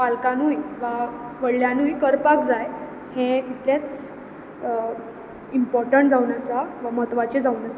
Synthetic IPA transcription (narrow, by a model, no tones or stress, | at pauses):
palkanujʋaʋəɽljanujkəɾpakd͡zaj | hẽt̪it̪lẽt͡s | impɔɾʈəɳʈd͡zaunəsaʋamət̪ʋat͡ɕed͡zaunəsḁ